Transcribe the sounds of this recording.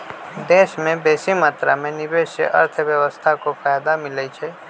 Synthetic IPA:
d̪eʃmẽbesimaːt̪ɾamẽnɪbeʃjə̰ʔə̰ɾt̪ʰəʋjəʋəst̪ʰakopʰajad̪amɪlət͡ʃʰe

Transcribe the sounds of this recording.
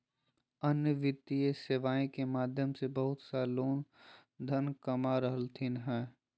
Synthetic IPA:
ənjəʋɪt̪ːieseʋaːẽkemaːd̪ʱjəmsebəɦʊt̪saːloːnd̪ʱənkɐmaɾəɦəlt̪ʰinɦɛː

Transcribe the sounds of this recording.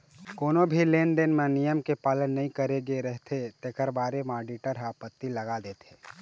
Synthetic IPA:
koːnobʱileːnɖenmẽnijəmkepaːlənːɐɦĩkəɾeɡeɾɛɦt̪ʰet̪ekəɾbaːɾemaːɖiʈəɾɦaːpət̪ːilɐɡad̪eːt̪ʰeː

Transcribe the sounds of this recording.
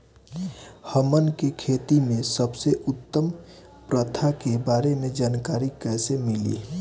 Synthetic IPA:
həmənkekʰeːt̪imẽsəbseʔʊt̪ːəm | pɾət̪ʰakebaːɾemed͡ʒaːnkaːɾikɛːsemɪlḭ

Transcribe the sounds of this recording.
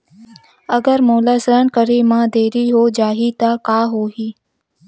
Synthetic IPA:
əɡəɾmoːlaːsɾənkəɾimãːd̪eːɾiɦoːd͡ʒaːɦit̪akaːɦoːɦiː

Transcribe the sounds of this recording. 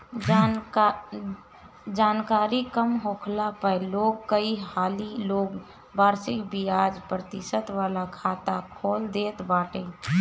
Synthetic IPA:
d͡ʒaːnkaːɾikəmɦokʰlapəjloːɡ̚kəihaːliloːɡ | bʱaːɾsɪkbiad͡ʒpɾət̪ɪsət̪ʋaːlakʰaːt̪akʰoːld̪et̪baːʈẽ

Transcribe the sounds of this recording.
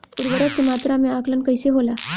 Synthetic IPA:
puɾʋəɾat̪imat̪ɾameaklənkəjseɦola

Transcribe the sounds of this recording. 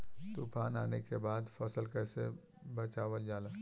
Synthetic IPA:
t̪upaːnaːnekebaːd̪fʰɐsəlkɛːse | bɐt͡ʃaːʋəld͡ʒaːlaː

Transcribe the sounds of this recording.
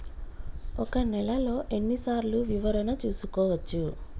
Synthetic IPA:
ɔkɐnɛlɐlo̞ːʔe̞nːisaːɾluʋiʋɐɾɐnɐt͡ʃuːsukɔːʋɐt͡ʃːu

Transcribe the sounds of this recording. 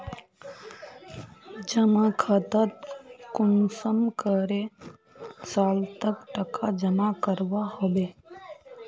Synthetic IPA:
d͡ʒəmakʰət̪ət̪kʊnsəmkəɾe | saːlt̪əkʈəkʰad͡ʒəmakəɾʋahobe

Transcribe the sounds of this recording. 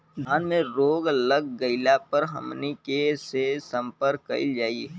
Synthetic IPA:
aːnmẽɾoːɡləɡːəɪlapəɾɦə̰mnikesesə̃mpəɾkːə̰ɪd͡ʒaːiɦ

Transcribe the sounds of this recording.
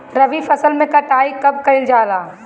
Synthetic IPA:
ɾɐʋifʰɐsəlmẽkɐʈaːikɐb̚kɐɪld͡ʒaːlaː

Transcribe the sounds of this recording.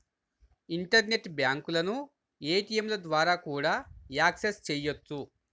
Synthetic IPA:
iɳʈɐɾne̞ʈbjaːŋkulɐnu | eːʈijemlɐd̪ʋaːɾaːkuːɽaːjaːksest͡ʃɛjot͡sːu

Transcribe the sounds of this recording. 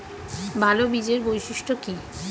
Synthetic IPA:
bʱalobid͡ʑeɾbojʃiʃʈoki

